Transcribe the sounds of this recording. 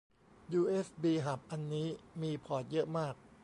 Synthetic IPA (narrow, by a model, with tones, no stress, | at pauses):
juː˧ʔe˦˥sbiː˧ɦa˨˩p̚ʔa˧nːiː˦˥miː˧pʰɔː˨˩t̪̚jɤ˦˥ʔmaː˥˩k̚